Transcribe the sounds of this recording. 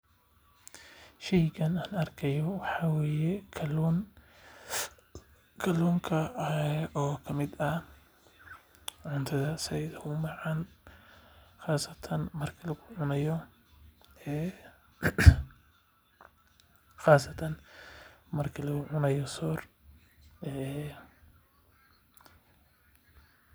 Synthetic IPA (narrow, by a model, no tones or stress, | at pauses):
ʃɛjkʰɐnaːnɐrkʰɐjɔwɑħɑːwɛːjɛ | kʰɐluːŋkʰɐʔɔːkʰɐmɪd̪ɐ | ʕʊnt̪ʰɐðɐsɐjðɐhʊmɑʕɑn | χaːsɐt̪ʰɐnmɐrkʰilɐɣʊʕʊnɐjɔ | ɛː | χaːsɐt̪ʰɐn | mɐrkʰilɐɣʊʕʊnɐjɔsɔːr | ɛ